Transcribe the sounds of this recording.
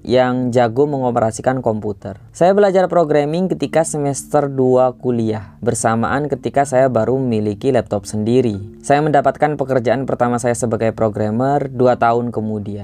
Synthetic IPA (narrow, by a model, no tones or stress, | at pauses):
jaŋd͡ʒaɡʊməŋopəɾasikankɔmput̪ərsajabəlad͡ʒarpɾoɡɾamɪŋkət̪ikasəmɛst̪ərduakuliahbərsama̰ʔankət̪ikasajabaɾuməmilikilɛp̚t̪ɔp̚səndiɾisajaməndapat̪̚kanpəkərd͡ʒaʔanpərt̪amasajasəbaɡajpɾoɡɾamərduat̪aʊnkəmudia